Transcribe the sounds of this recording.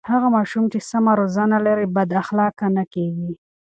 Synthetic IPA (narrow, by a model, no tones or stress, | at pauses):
haɣamɑʃumt͡ʃesamaɾozɑnalaɾibad̪axlɑkanakeɡi